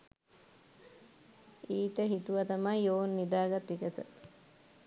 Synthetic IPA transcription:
iːt̪əɦit̪uʋat̪amajoːnːid̪aːɡat̪ʋikəsə̰

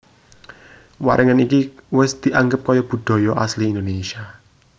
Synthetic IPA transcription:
wa̰ɾʔəŋənikiwɪsd̪̥i̤ʔaŋɡəp̚kɔjɔb̥ṳd̪̥ɔ̤jɔʔa̰sliːnd̪onesia

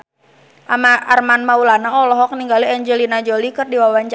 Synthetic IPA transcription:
ʔamaarmanmaulanaɔlɔɦɔk̚niŋɡaliɛɲd͡ʒɛlinad͡ʒolikərdiwawaɲt͡ʃ

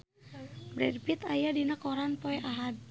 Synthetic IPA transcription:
bɾɛdpit̪ajadinakɔɾanpɔɛʔaɦad̚

